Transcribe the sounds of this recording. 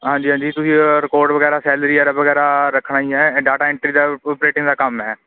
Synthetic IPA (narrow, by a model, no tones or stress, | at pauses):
ɦãːɲd͡ʒiːɦãɲd͡ʒiːt̪ʊsĩːɾɪkoːɾɖʋəɡɛːɾaːsɛːləɾiːəɾbəɡɛːɾaːɾəkʰɽaːiɛːɖaːʈaːɪɳʈɾiːd̪aːpɾeːʈɪ̃ŋd̪aːkəmɦɛː